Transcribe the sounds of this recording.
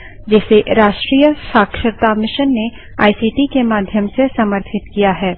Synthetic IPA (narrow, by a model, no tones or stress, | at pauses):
d͡ʒɛːseɾaːʃʈɾiːjəʃaːkʃəɾt̪amɪʃənːe | aːisiːʈikemaːd̪ʱjəmsesɐməɾt̪ʰɪt̪kijaɦɛː